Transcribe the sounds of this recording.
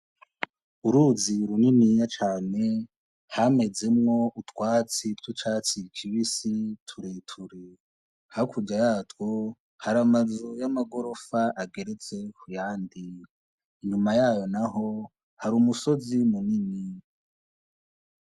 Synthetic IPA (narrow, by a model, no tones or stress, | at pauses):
uɾuziɾuninijat͡ʃaːne̞ | hame̞d͡ze̞mŋo̞ʔutwaːt͡situt͡ʃaːt͡sikʰiβisitʰuɾetʰuɾe | haɾikʰuɟajaːtwo | haɾamazujamaɡo̞ɾo̞faʔaɡe̞ɾe̞t͡se̞kʰujaːndiː | ɲumajaːjo̞naɦo̞ | haɾuːmuso̞zimunini